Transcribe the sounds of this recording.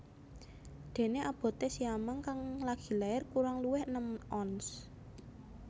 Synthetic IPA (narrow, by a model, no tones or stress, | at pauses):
d̪̥e̤neʔab̥ɔ̤t̪esiamaŋkaŋlaɡ̥i̤laɪrkuɾaŋluwɪhnəmʔɔns